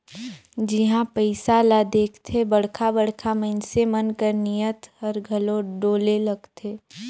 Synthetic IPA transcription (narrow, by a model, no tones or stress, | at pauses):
d͡ʒɪɦãpəɪsalad̪eːkʰt̪ʰebɐɽ̤kʰabəɽ̤kʰamənsemənkəɾnijət̪həɾɡʱəloɖoːlelɐɡt̪ʰeː